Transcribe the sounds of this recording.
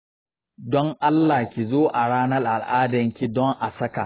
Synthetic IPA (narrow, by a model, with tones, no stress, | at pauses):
dɔ˦ŋʔa˦lːaː˨kʲi˨zoː˦ʔa˨ɽaː˦nɐ˦rʔa˨lʔaː˦dɐ˨ŋkʲi˦dɔ˦ŋʔa˨sɐ˦ka̰˨